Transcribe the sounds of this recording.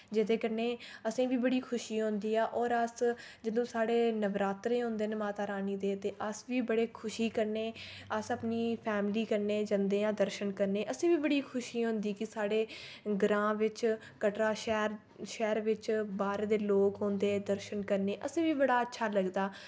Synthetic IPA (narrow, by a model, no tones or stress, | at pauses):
d͡ʒɪt̪eːkəɾneːəsĩːʋiːbəɽiːkʰʊʃiːɦõnd̪iːaːʔɔːɾəsd͡ʒɪd̪õːsaːɽeːnəʋɾaːt̪ɾẽːɦõːnd̪eːnmaːt̪aːɾaːniːd̪eːt̪eːʔəsʋiːbəɽeːkʰʊʃiːkəɾneː | əsəpniːpʰɛːmliːkəɾneːd͡ʒə̃nd̪eːãːd̪əɾʃənkəɾneːʔəsĩːʋiːbəɽiːkʰʊʃiːɦõnd̪iːkɪsaːɽeː | ɡɾãːʋɪt͡ʃ | kəʈɾaːʃɛːɾ | ʃɛːɾʋɪt͡ʃbaːɾeːd̪eːloːkɦõːnd̪eːd̪əɾʃənkəɾneːʔəsĩːʋiːbəɽaːətːʃʰaːləɡd̪aː